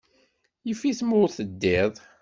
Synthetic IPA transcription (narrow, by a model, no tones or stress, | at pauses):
jəfiθmʊɾθəd̪ːɪðˤ